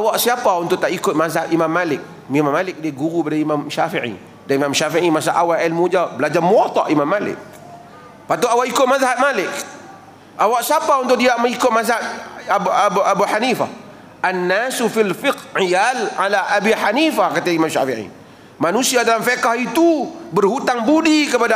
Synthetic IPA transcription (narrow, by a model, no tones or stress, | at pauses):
ʔawaʔsiapaunt̪ʊʔ̚t̪aʔikʊt̪̚mazahat̪imamːalɪk̚ | mimamːalɪk̚diaɡuɾubadaimamʃafiʕḭ | daimamʃafiʕimasaʔawailmud͡ʒabəlad͡ʒarmuɔt̪ɔ̰ʔimamːalɪ̰k̚ | pat̪uawaʔikʊt̪̚mazaɦat̪̚malɪk̚ | ʔawaʔsapaunt̪ʊk̚ʔdiaʔməikʊt̪̚mazhat̪̚bbuʔabuħanifa̰h | ʔanːasufilfɪkʕijalʕalaʔabiħanifahkat̪aimamʃa̰fiʕḭ | manusiadalamfekahit̪ubərhut̪aŋbudikəpada